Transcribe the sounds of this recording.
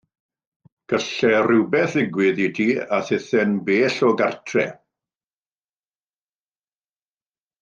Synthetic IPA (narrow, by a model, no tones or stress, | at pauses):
ɡ̥əɬɛrɪwbɛθɪɡwɪðitʰiːaθɪθɛnbeːɬɔɡartʰrɛ̰